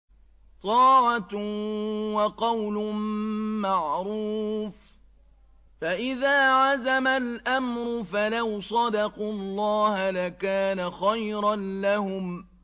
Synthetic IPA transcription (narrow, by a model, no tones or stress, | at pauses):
t̪ˤɑːʕa | wɑqɑwlʊː | aʕɾuːf | faʔɪðaːʕazamalʔamɾʊfalawsˤɑd̪ɑqulˤːɑːhalakaːnaxajɾɑnlahʊm